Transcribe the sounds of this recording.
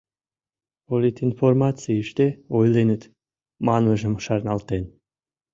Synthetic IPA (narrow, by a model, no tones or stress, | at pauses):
polʲit̪informɑt͡siəʃt̪eojlenət̪ | mɑnəʒə̆mʃɑrnɑlt̪en